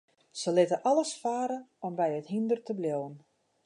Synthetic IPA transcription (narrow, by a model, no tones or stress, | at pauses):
səlɪtəʔɔləsfaːɾəɔmbɛjəthindərtəbljowən